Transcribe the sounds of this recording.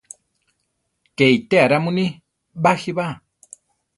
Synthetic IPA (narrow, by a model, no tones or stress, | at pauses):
keit̪eaɾamuni | bahiβa